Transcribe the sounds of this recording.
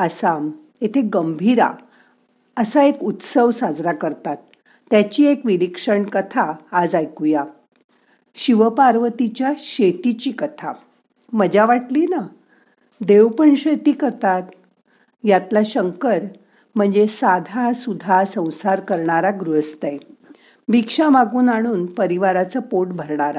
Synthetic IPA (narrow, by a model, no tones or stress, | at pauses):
əsam | et̪ʰeɡəmbʱiɾa̰ | əsaekut̪səʋsad͡zɾakəɾt̪at̪ː | jat͡ɕiːekʋiɾikʂəɳkət̪ʰaːd͡zajkuja | ɕiʋəpaɾʋət̪it͡ɕjaɕet̪it͡ɕiːkət̪ʰa | məd͡ʑʱjaʋaʈliːna | d̪eʋpəɳɕet̪iːkəɾt̪at̪ | jat̪laɕəŋkəɾ | m̤əɳd͡zesad̪ʱasud̪ʱasə̃w̃saɾkəɾɳaɾaɡɾuɦəst̪aj | bikʂãmaɡuːnaɽ̃uːnpəɾiʋaɾat͡səpoʈbʱəɾɳaɾa